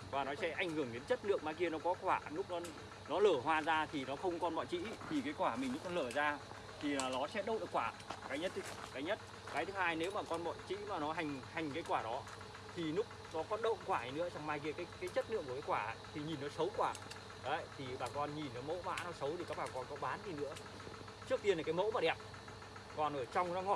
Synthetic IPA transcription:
vaː˨˩nɔ˨˦sɛ̰˧˥ʔa˨˧˩jŋ̟hɨ˧˩əŋɗe˨˦nt͡ɕə˦˥t̚nɨ̰˧˨əŋmaː˧ki˧ənɔ˨˦kɔ˨˦kwaː˧˩lʊ˦˥k͡p̚nɔ˨˦ | nɔ˨˦ləː˧˩ɦwaː˧zaː˧t̪ʰi˨˩nɔ˨˦xə˧wŋ͡mkɔ˧nɓɔ̰˧˨t͡ɕḭ˧˥t̪ʰi˨˩kaː˨˦jkwaː˧˩mï˨˩ŋ̟lu˦˥kɔ˧ləː˧˩zaː˧ | t̪ʰi˨˩aː˨˩nɔ˨˦sɛ̰˧˥ɗə˧˨wɗɨ̰˨˩kwaː˧˩kaː˨˦jɲə˦˥t̚i˨˦kaː˨˦jɲə˦˥t̚ | kaː˨˦jt̪ʰɨ˨˦haː˧jne˨˦wmaː˨˩kɔ˧nɓɔ̰˧˨jt͡ɕḭ˧˥maː˨˩nɔ˨˦ɦa˨˩jŋ̟ha˨˩jŋ̟kaː˨˦jkwaː˧˩ɗɔ˨˦ | t̪ʰi˨˩lʊ˦˥k͡p̚nɔ˨˦kɔ˨˦ɗə̰˧˨ŋ͡mkwaː˧˩i˨˧nɨ̰˧˥əsa˧wŋ͡mmaː˧jki˧əkaː˨˦jkaː˨˦jt͡ɕə˦˥t̚nɨ̰˧˨kːkːaː˨˦kwaː˧˩a̰˧˨t̪ʰi˨˩ɲi˨˩nːɔ˨˦sə˨˦wkwaː˧˩ | ɗo˨˦ə˨jt̪ʰi˨˩ɓaː˨˩kɔ˧nɲi˨˩nːɔ˨˦mo̰˧˥ma̰ː˧˥nɔ˨˦sə˨˦wt̪ʰi˨˩kaː˦˥k̚ɓaː˨˩kɔ˧nkɔ˨˦ɓaː˨˦nzi˨˧nɨ̰˧˥ə | t͡ɕɨ˦˥ək̚t̪i˧ənlaː˨˩kːaː˨˦mo̰˧˥maː˨˩ɗɛ˨˩p̚ | kɔ˧nʔo˧˩t͡ɕa˧wŋ͡mnɔ˨˦ŋɔ˧˩

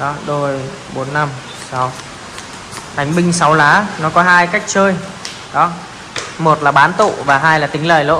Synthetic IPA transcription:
ɗɔ˨˦ɗo˧j | ɓo˨˦nːa˧m | sa˨˦w | t̪ʰa˨˦jŋ̟ɓï˧ŋ̟sa˨˦wlaː˨˦nɔ˨˦kɔ˨˦ɦaː˧jka˦˥jk̚t͡ɕəː˧j | ɗɔ˨˦ | mo˨˩t̚laː˨˩ɓaː˨˦nt̪ṵ˧˨vaː˨˩ɦaː˧jlaː˨˩t̪ï˨˦ŋ̟lə̰ː˧˨jlo̰˧˨

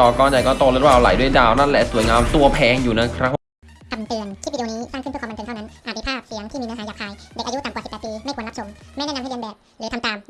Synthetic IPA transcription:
ɔː˨˩kɔː˧nja˨˩jkɔː˥˩t̪o˧lo˦˥t̪̚waː˥˧ʔla̰˨˦jdu˥˩əjdaː˧wna˥˩nlɛ˨˩su˨˩˦jŋaː˧mt̪u˧ɐpʰɛː˧ŋjuː˨˩na˦˥˩kʰɾa˦˥ | kʰa˧mt̪ɯ˧ənt͡ɕ̪ʰi˥˩i˧niː˦˥saː˥˩kʰpʰːte˧nʰa˥˩na˦˥ʔaː˨˩˧i˧˩pʰaː˥˩p̚si˨˦əŋt̪ʰiː˥˩mː˧˥ɦaː˨˦jaː˨˩k̚ʰhaː˧jde˨˩k̚ʔa˧ju˦˥t̪a˨˩mkwsi˨˩pːt̪piː˧ma˥˩jʰkːnla˦˥sʰo˧mː˥˩nɛ˥˨a˧ha˥˩˨i˧nbɛː˨˩p̚lɯː˨˦t̪ʰa˧mt̪aː˨˧m

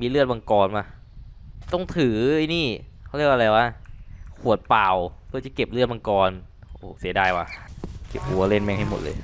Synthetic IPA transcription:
miː˧lɯ˥˩ət̪̚ɓa˧ŋkɔː˧nmaː˧˩ | t̪ɔ˥˩ŋt̪ʰɯː˩˦i˧niː˥˩kxʰa˥˩˨ɾi˥˩ək̚ʔ̚la˧jwaː˥˩kʰu˨˩ə˩t̪̚paː˨˩wpʰɯ˧t͡ɕa˧˩ke˨˩p̚lɯ˥˩ət̚ɓa˧ŋkɔː˧nʔoː˨˩si˨˩˦daː˧jwaː˧˩ke˨˩p̚ʔu˧˦ɐ˧le˥˩nmɛː˥˩ŋɦa˥˩jmo˨˩t̪̚lɤ̰ː˧j

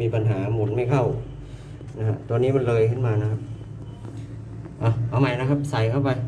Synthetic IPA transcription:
miː˧pa˧nɦaː˩˦mo˨˦t̚ma˥˩jkʰa˥˩w | na˦˧kʰa˦˧˥t̪u˧ɐniː˦˥˩ma˧˥nlɤː˧jkʰɯ˧˥˩nmaː˧na˦˥kʰa˦˥p̚ | ʔaː˧˩ʔa˧˩wma˧˥jna˦˥kʰa˦˥p̚sa˨˩˦jkʰa˥˩wpa˧j

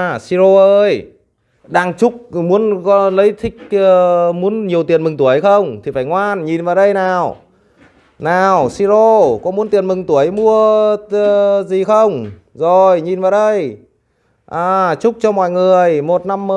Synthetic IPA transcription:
si˧zo˧ʔəː˧j | ɗaː˧ŋt͡ɕʊ˦˥k͡p̚mu˨˦ənkɔ˨˦lə˨˦jt̪ʰï˦˥k̟̚ə˧mu˨˦ənɲi˨˩əwt̪i˨˩ənmɨ˨˩ŋt̪u˧˩əjxə˧wŋ͡mt̪ʰi˨˩faː˧˩jŋwaː˧nɲi˨˩nvaː˨˩wɗə˧jnaː˨˩w | naː˨˩wsi˧zo˧kɔ˨˦mu˨˦ənt̪i˨˩ənmɨ˨˩ŋt̪u˧˩əjmu˧ə˧ | zi˨˩xə˧wŋ͡m | zo˨˩jɲi˨˩nvaː˨˩wɗə˧j | ʔaː˨˩t͡ɕʊ˦˥k͡p̚t͡ɕɔ˧mɔ̰˧˨jŋɨ˨˩əjmo˨˩t̚na˧mːə˧

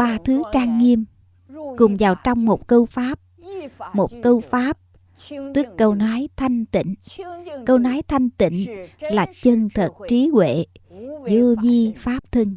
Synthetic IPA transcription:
ɓaː˧t̪ʰɨ˨˦t͡ɕaː˧ŋːi˧əm | kʊ˨˩ŋ͡mvaː˨˩wt͡ɕɔ˧wŋ͡mmo˨˩t̚kə˧wfaː˦˥p̚mo˨˩t̚kə˧wfaː˦˥p̚ | t̪ɨ˦˥əkːə˧wnɔ˨˦jt̪ʰa˧jŋ̟t̪ḭ˧˨ŋ̟kə˧wnɔ˨˦jt̪ʰa˧jŋ̟t̪ḭ˧˨ŋ̟laː˨˩t͡ɕə˧ŋt̪ʰə˨˩t̚t͡ɕi˨˦kwḛ˧˨zu˧vi˧faː˦˥p̚t̪ʰɨ˧ŋ

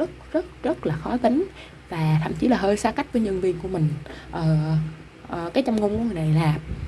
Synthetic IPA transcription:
zə˦˥t̚zə˦˥t̚zə˦˥t̚laː˨˩xɔ˨˦jt̪i˨˦ŋ̟ | vaː˨˩t̪ʰa̰˧˩˨mt͡ɕi˨˦laː˨˩ɦəː˧jsaː˧ka˦˥jk̟̚vəː˨˦jɲə˧nvḭ˧˨ənku˧˩əmï˨˩ŋ̟ʔəː˨˩ | ʔəː˨˩kaː˨˦jt͡ɕa˧ŋ͡mŋo˧ŋ͡mkŋɨ˨˩jna˨˩jlaː˨˩m̚

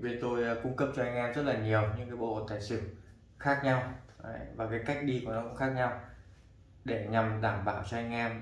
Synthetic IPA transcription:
ve˨˩t̪o˧jkʊ˧ŋ͡mkə˦˥p̚t͡ɕɔ˧ha˧jŋ̟ʔɛ˧mzə˦˥t̚laː˨˩ɲi˨˩əwɲɨ˧ŋkaː˨˦jɓo̰˧˨˩t̪a̰ː˧˨jsɨ̰˧˨ | xaː˦˥k̚ɲa˧wvaː˨˩kaː˨˦jka˦˥jk̟̚ɗi˧ku˧˩ənɔ˨˧˦kʊ̰˧˥ŋ͡mxaː˦˥k̚ɲa˧w | ɗe˧˩ɲa˨˩mɗaː˧˩mɓaː˧˩˨wt͡ɕɔ˧ha˧jŋ̟ʔɛ˧m

